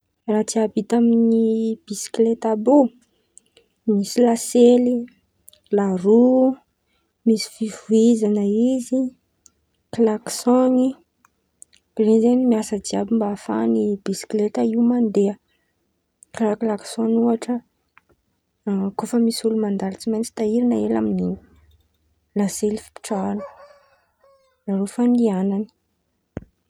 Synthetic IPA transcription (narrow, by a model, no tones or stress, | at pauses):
rat͡siabit̪aminnib̥isi̥klet̪abo | misilaseli | laɾu | misi̥fivuizanəizi | klaksoni | ɾenzenimiasəd͡ziabimbaafa̰nibisi̥klet̪əiwmand̪eə | klaklaksonuaʈ͡ʂə | kofəmisulumand̪alit͡simajnt͡si̥t̪aiɾinəela̰mini | laselifi̥pi̥ʈ͡ʂaanə̥ | naɾofanianani̥